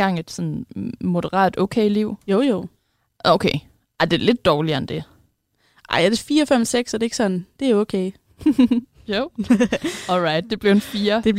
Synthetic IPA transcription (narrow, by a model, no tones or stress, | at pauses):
ɑ̈ŋ̰ed̥sɒ̽nmo̝d̥əʁɑ̰̈ːd̥o̰ʊkʰeɪliʊ̰joʊjoʊ̰ | ʔoʊkʰeɪ | ʔaɪd̥e̝æɐle̝d̥̚ːɒːliɐend̥e̝ | ʔɑ̈ɪæd̥e̝fiːɐɒfem̰seɡ̥sɒd̥e̝e̝ɡ̥əsɒ̽n̩d̥e̝æokʰeɪ | joʊ | ɒlʁɑ̈ɪd̥̚d̥e̝b̥liʊnfiːɐd̥e̥